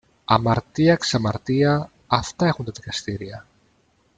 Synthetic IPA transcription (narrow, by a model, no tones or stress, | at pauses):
amaɾt̪iaksamaɾt̪iaː | ft̪aeɣund̪eðikast̪iɾia